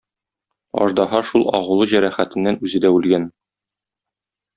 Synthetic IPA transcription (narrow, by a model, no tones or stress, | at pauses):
ɒ̰ʒd̪ɑɦɑʃulˠɒ̰ʁɤ̆lˠɤʑæɾæχæt̪ɘ̆nːænʉzɘ̆d̪æʉlɡæn